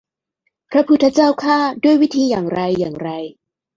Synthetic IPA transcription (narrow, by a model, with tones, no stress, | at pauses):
pʰɾa˦˥pʰu˦˥t̪ʰːa˧˥t͡ɕaː˥˩wkʰaː˥˩du˥˩əjwi˦˥t̪ʰiː˧jaː˨˩ŋɾa˧jːaː˨˩ŋɾa˧j